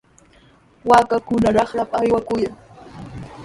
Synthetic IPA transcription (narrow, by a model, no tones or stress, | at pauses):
waːkakʊnaɾɑχɾapajwakʊjaŋ